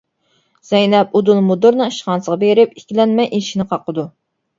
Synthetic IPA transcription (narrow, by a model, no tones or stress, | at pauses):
z̥ɛjnɛp̚ud̪ulˠmud̪ʊɾnɨɨʃχɑnsəʁɑbeɾɪp̚ikʲilɛnmɛjʔiʃinɨqʰɑqʰːəd̪u